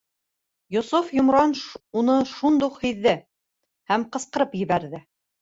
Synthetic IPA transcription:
jusufjŏmɾɑnunɤʃund̪uqhiðːɘ | hæmqɤ̆sqɤ̆ɾɤpjɘ̆βæɾðɘ

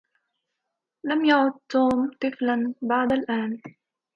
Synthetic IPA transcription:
lamjaʕʊd̪̚t̪ːuːmt̪ˤɨflanbaʕd̪alʔaːn

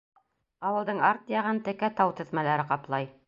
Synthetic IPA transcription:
ɑwɤ̆lˠd̪ɤɴɑɾt̪jɑʁɤnt̪ɘ̆kæt̪ɑwt̪ɘ̆ðmælæɾɘqɑplˠɑj

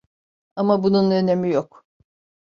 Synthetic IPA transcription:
amabununøne̞mijok

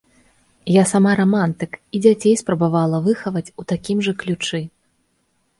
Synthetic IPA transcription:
jasamaɾamant̪ɨkid͡zʲat͡sʲejspɾɐbavalˠɐvɨxɐvɐt͡sʲut̪akʲimʐɐklʲut͡ʂɨ

